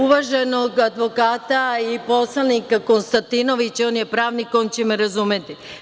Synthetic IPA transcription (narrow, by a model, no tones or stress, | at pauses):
uʋaʒeno̞ɡad̪ʋo̞kaːt̪aipo̞slˠanikako̞nst̪ant̪ino̞ʋit͡ɕo̞ːnjepɾaːʋniko̞ːnt͡ɕemeɾazuːmjet̪i